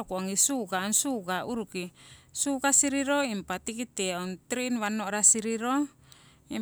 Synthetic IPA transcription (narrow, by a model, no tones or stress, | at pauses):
ɔkuaŋisuɡaːnsuɡauɾukisuɡasiɾiɾoimpat̪ikit̪ɛɔnt̪ɾiinwanoɾasiɾiɾo | im